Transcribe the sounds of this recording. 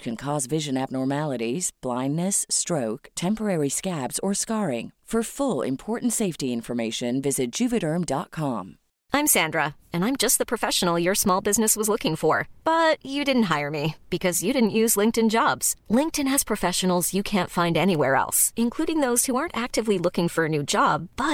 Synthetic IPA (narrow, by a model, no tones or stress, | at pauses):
t͡ʃkʰɨ̃nkʰɔzvɪʒɨ̃næb̚nɔɹmælˠəɾiz̥b̥lãɪ̃nːɨstɹ̥oʊktʰɛ̃mpə˞ɛɹiskæbz̥ə˞skɑɹɪ̰̃ŋfə˞fʊlˠɪ̰̃mpʰɔɹʔn̩tseɪftiɪ̃ɱfə˞meɪʃɨ̃nvɪzɨt̚d̥ʒ̥ʉpɨɾə˞mdɑt̚kʰɑ̃m | ãɪ̃msæ̃ndɹə | ɨ̃ñãɪ̃md͡ʒʌst̚ðəpʰɹ̥ɨfɛʃən̩l̩ˠjə˞smɔlˠbɪznɨswʌzlʊkɪ̃ŋfə˞b̥ʌt͡ʃɨdɪdⁿn̩tɦaɪə˞mib̥ɨkʰʌzjɨɾɪdⁿn̩ʔjʉzlɪ̃ŋk̚tɨ̃nd͡ʒɑbz̥lɪ̃ŋk̚tɨ̃nɨz̥pʰɹ̥ɨfɛʃɨn̩l̩ˠzjɨkʰæ̃ntfãɪ̃ndɛñiwɛɹɛ̰lˠsɨ̃nkʰl̥uɾɪ̃ŋðoʊz̥huɑɹntæk̚tɨvlilʊkɪ̃ŋfə˞ɨnʉd͡ʒɑb̚b̥ʌt̚